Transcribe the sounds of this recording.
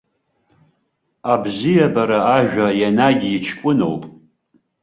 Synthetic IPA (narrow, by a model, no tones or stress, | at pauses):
abzijabaɾaaʒᶣʷajanaɡʲit͡ʃʰkʷʼʊno̰wpʼ